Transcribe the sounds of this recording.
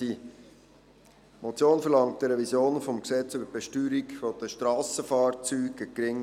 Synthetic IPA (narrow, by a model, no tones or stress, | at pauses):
i | mot͡sjoːnfəɾlɑŋt̚dəɾɛvisjoːnfomksɛt͡sybəɾb̥ɛʃtyːɾikfod̥̪əʃtɾɑːsəfɑːɾt͡syːɡəkɾɪŋ